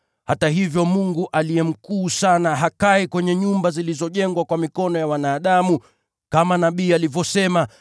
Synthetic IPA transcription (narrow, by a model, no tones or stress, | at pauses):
hataɦivjɔmuŋɡuʔalijɛm̩kuːsanaɦakaikwɛɲɛɲumbazilizɔʄɛŋɡwakwamikɔnɔjawanaːɗamu | kamanaɓiːalivɔsɛma